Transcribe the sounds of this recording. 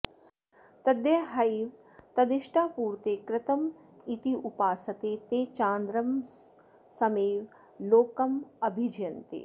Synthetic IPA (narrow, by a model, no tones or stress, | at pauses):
t̪ɐd̪jɐɦɐjʋ | t̪ɐd̪ɪʃʈʰaːpuːɾt̪eːkɾɪt̪ɐm | it̪iʔupaːsɐt̪eːt̪eːt͡ʃaːnd̪ɾɐm | sɐmeːʋ | loːkɐmɐbʱid͡ʒjɐnt̪ḛ